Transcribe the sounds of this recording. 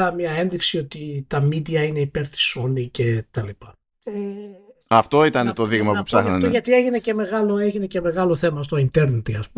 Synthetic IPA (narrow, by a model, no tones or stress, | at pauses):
ɐmɲɐe̞nðiksio̞t̪it̪ɐmid̪iɐine̞ipe̞ɾt̪i̥so̞nice̞t̪ɐlipɐ | eɐft̪o̞it̪ɐnet̪o̞ðiɣmɐpupsɐxnɐneʝɐt̪ie̞ʝine̞ce̞me̞ɣɐlo̞e̞ʝine̞ce̞me̞ɣɐlo̞θe̞mɐst̪oint̪e̞ɾnet̪iɐspu